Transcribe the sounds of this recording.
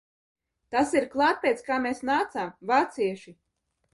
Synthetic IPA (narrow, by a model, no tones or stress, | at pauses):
t̪asiɾklˠɑːt̪̚pʲeːt̪skaːmʲeːsnaːt̪samvaːt̪siɛʃi